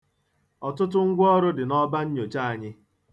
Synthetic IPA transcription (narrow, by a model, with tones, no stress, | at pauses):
ɔ˨tʊ˦tʊ˦ŋ̩˦ɡʷʊ˦ɔ˦ɾʊ˦dɪ˨nɔ˦ba˦ɲ̩˦ɲo˨t͡ʃa˦˨a˨ɲɪ˦